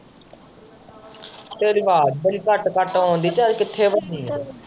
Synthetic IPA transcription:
t̪eːɾʋaːd̪bəliːkəʈkəʈɦõːnd̪iːt͡ʃaːɾkɪt̪ʰːeːʋəniː

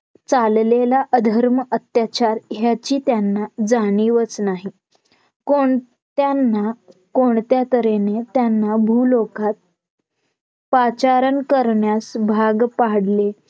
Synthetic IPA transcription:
t͡sallelaʔəd̪ʱəɾməət̪jat͡ɕaɾɦjat͡ɕiːt̪janːad͡zaɽ̃iʋət͡snaɦi | koɳ | t̪janːakoɳt̪jat̪əɾenet̪janːabʱuːlokat̪̚ | pat͡ɕaɾənkəɾɳjasbʱaɡpaɽle

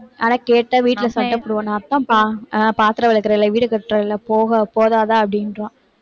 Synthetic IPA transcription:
ʔaːnaːkeːʈːɐʋiːʈːɪlɐsɐɖɐpːɔɽɯʋõnaːt̪ːãːpaːpaːt̪ɪɾɐʋɐɭɐkːɪɾɐɪlːaʋiːɽɯkɛʈːɾɐɪlːaːpoːɣɐpoːðaːðãːɐpːɐɽɪnɾõː

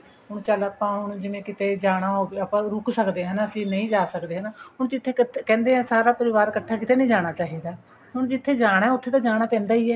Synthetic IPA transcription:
ɦʊɳt͡ʃələpãːɦʊɳ̃d͡ʒɪnẽːkɪt̪eːd͡ʒaːɽ̃aːɦoːʋeːəpãːɾʊksəkd̪eːɦənːəsĩːnəĩːd͡ʒaːsəkd̪eːɦənaːɦʊɳd͡ʒɪt̪ʰːeːk̪kɛ̃ːnd̪eːɦãːsaːɾaːpəɾɪʋaːɾkəʈʰːaːkɪt̪eːnə̃ĩːd͡ʒaːɽ̃aːt͡ʃaːɦiːd̪aː | ɦʊɳd͡ʒɪt̪ʰːeːd͡ʒaːɽ̃ɛːʊt̪ʰːeːt̪ãːd͡ʒaːɽ̃aːpɛ̃ːnd̪aːiːɛː

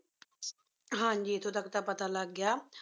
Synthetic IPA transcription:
ɦãːɲd͡ʒiːɪt̪ʰõːt̪əkt̪aːpət̪aːləɡːjaː

